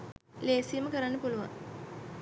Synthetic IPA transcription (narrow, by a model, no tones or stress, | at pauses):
leːsijəməkəɾanːəpuluʋa̰ŋ